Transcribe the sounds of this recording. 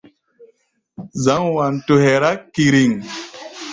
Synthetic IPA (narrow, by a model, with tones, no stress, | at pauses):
za˨˦ŋwa˨nto˨hɛ˨ɾa˦kːi˨ɾi˨ŋ